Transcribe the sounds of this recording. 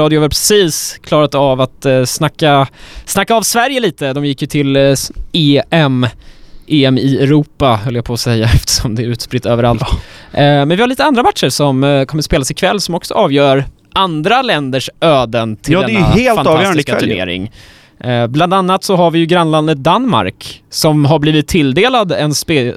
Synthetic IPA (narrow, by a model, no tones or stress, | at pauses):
ɑːd̪jʊaɾpʰɾɛsiːskʰlɑːɾat̪avat̪snakːasnakːaːvsvæɾjəliːt̪əd̪ɔmjɪkːjɵt̪ʰɪleːɛmʔeːɛmɪɛɾuːpːahœlːəjapʰoːsɛjːaɛft̪ə̥ʂɔmd̪ɛːɾʉ̟ːt̪spɾɪt̪ːøːvəɾalt̪ | mɛnvɪhaɾɭiːt̪əand̪ɾamat̪ʂəɾʂɔmkʰɔmːəspeːlasɪkʰvɛlːsɔmɔksɔ̰ʔɑːvjœːɾ | ʔand̪ɾalɛnd̪əʂøːd̪ənt̪ʰɪld̪ɛɛaheːlfaɑːjœːanskaʉɳḛːɾɪ̰ŋ | bland̪anːat̪sɔɦaɾvɪjɵɡɾanːland̪ət̪̚d̪anma̰ɾksɔmɦabliːvɪt̪ʰːɪld̪eːlad̪ɛnspeː